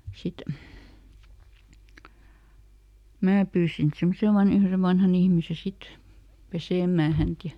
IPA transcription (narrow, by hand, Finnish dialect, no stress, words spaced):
sit mæː pyːsin sen sɑmɑn ihmise ʋɑnhɑn ihmise sit peseˑmˑæː hænt jɑ